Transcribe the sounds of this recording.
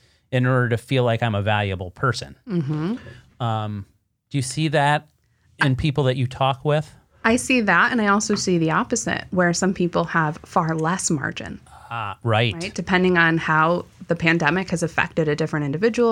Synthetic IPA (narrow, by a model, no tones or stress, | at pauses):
ɨ̃nɔɹɾə˞ɾɨfilaɪkãɪ̃məvælˠjɨbl̩ˠpʰɜ˞sɨ̰̃nm̩m̥m̩ | ʌ̃m | d̥ɨjɨsiðɨɾ̚ | ɨ̃npʰipl̩ˠðɨt͡ʃɨtʰɔkwɪð̥ | aɪsiðæɾɨ̰̃naɪɔlˠsoʊsiðiɑpɨz̥ɪ̰t̚wə˞sʌ̃mpʰipl̩ˠəv̥fɑɹlɛsmɑ̰ɹd͡ʒɨ̰̃nɹaɪtɹaɪtd̥ɨpʰɛ̃ndɪ̃ŋə̃nhaʊðɨpʰæ̃ndɛmɨkhɨzɨfɛ̰k̚tɨɾɨdɪfɹɨ̃ɾ̃ɪ̃ndɨvɪd͡ʒɨwl̩ˠ